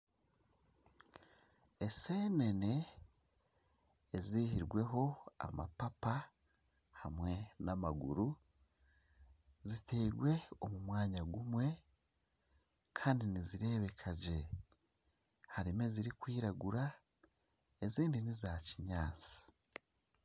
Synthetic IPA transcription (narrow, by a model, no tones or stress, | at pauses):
ese̞ːne̞ne̞ | zihiɾɡwe̞ɦo̞a̰ma̰papa | hamwe̞namaɡṵɾu | zitʰeːɡwe̞o̞mumwaːɲaɡumwe̞ | kʰaːndiniziɾe̞ːβe̞kʰaɟe̞ | haɾimeziɾikwiːɾaɡuɾa | eziːndinizaːciɲaːt͡si̥